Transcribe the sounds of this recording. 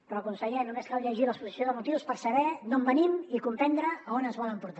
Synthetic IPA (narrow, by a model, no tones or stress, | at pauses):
pɾɔkunsəʎɛnumeskalʎəʒiləspuzisonzðəmut̪iwspəɾsəβɛnombənimikumpɛnd̪ɾəonənzβɔləmpuɾt̪a